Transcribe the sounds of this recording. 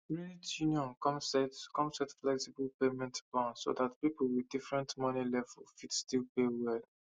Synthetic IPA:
ɹinitʰjunjɔ̃nkɔmsɛtkʰɔ̃msɛtflɛksibəlpemɛ̃ntplãnso̰datpipl̩widifɹɛ̃ntmɔnilɛvəlfidstilpewɛl

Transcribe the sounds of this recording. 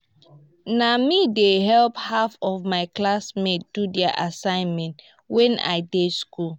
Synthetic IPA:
namideɦɛlphafɔfmaɪklasmedudɛaʔasãɪ̃nmɛ̃nt | wɛ̃na̰ɪdeskul

